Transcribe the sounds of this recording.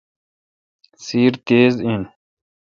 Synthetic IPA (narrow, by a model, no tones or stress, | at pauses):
siːɾt̪eːziːn